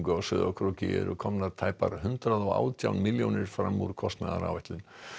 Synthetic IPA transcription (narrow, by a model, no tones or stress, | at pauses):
ŋkʏawsʏːðakʰɾucɪɛ̰ɾʏkʰɔmnaɾt̪ʰaːjpaɾhʏnt̪ɾaðɔɣa̰ːwt̪ʰjawnmɪljo̰wnɪɾ̥fɾamːuɾkʰɔst̪naða̰ɾa̰wvɛht̪lʏn